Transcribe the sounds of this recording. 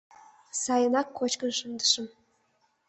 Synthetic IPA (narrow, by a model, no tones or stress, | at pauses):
sɑjə̆nɑkʰːot͡ɕkə̆nʂɤ̆nd̪ə̥̆ʂə̆m